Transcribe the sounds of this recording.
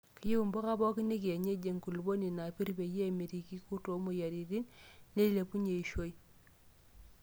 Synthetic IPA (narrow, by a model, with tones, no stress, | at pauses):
ki˦ju˦u˨mbo˦ka˦bɔ˦ki˦ni˦ki˨e˨ɲe˦d͡ʒe˨ŋku˨lbo˦ni˨na˨pi˦ɾbe˨je˦mi˨ɾi˨ki˦ku˦to˨mo˨ja˨ɾi˨ɾi˦nne˦li˦le˨pu˦ɲe˨i˨ʃo˦i˦